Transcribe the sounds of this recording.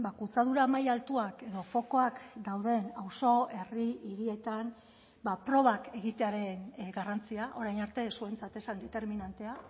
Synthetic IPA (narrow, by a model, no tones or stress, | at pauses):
bakut͡saðuɾamajalt̪uake̞ðo̞fo̞ko̞akd̪awðe̞nawso̞e̞riiɾie̞t̪an | bapɾo̞β̞ake̞ɣit̪e̞aɾe̞nɡarant͡siaʔo̞ɾajnaɾt̪e̞sue̞nt͡sat̪e̞sand̪e̞t̪e̞ɾminant̪e̞a